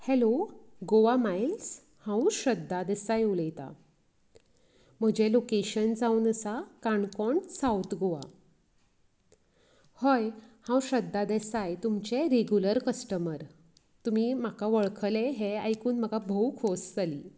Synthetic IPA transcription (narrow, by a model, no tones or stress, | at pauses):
hɛloɡoʋamajls | hãwɕəd̪ːad̪esajuləjt̪a̰ | m̤əd͡ʑelokeɕənd͡zauːnəsakaɳkɔɳsawt̪ɡoʋa̰ | həjhãwɕəd̪ːad̪esajt̪umt͡ɕeɾeɡjuləɾkəsʈəməɾ | t̪um̤iːm̤akaʋəɭkʰəleɦeajkuːnm̤əɡabʱəwkʰosd͡zaliː